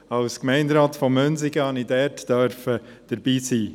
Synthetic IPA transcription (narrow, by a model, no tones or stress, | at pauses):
ɑwskmɛɪndɾɑːtfɔmːønzɪɡəhɑnidɛːtd̥œɾfəd̥əɾbiːsiː